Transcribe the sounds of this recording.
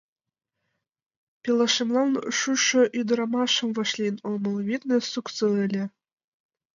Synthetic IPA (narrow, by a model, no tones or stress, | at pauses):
pʲilˠɑʂimlˠɑnʃuʃɤ̆ʔyd̪ɤ̆ɾɑmɑʃɤ̆mvɤ̆ʃlʲinomɤ̆lˠvʲit̪nʲɘ̆suksɤɘ̆lʲɘ̆